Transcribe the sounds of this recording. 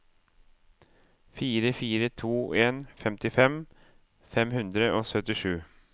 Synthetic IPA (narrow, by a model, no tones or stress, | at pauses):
fiːɾəfiːɾət̪ʰuːeːnfɛmt̪ɪfɛm | fɛmhɵnd̪ɾəʔɔsœt̪ːɪʂʉː